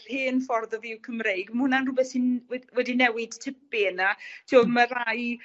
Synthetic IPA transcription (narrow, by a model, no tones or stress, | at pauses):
r̥hɨːnfɔrðɔðɪwkʰəmrejɡməhʊnanrʊbɛθinwɛwɛdinɛwɪd̥tʰɪp̚enatʰioðmar̥aj